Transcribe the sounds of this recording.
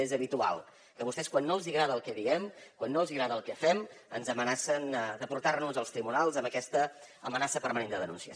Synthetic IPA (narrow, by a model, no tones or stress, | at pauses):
ezəβit̪ua̰lˠ | kəβust̪ɛskwanːoəlˠziɣɾaðəlˠkɛðiɣɛmkwanːoəlˠziɣɾaðəlˠkɛfɛmənzəmənasənd̪əpuɾt̪arnuzəlˠst̪ɾiβunalˠzəmbəkɛst̪ə | əmənasəpəɾmənend̪əðənṵnsiə̰